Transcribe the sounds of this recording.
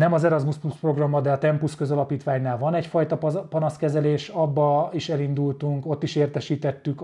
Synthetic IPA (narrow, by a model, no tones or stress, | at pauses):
nɛmɒzɛɾɒzmuspluspro̞ɡrɒmːɒd̪ɛɒt̪ɛmpuskø̞zɒlɒpiːt̪ʋaːɲnaːlvɒnɛcfɒjt̪ɒppɒnɒskɛzɛleːʃɒbːɒiʃɛlind̪ult̪uŋko̞t̪ːiʃeːrt̪ɛʃiːt̪ɛt̪ːyk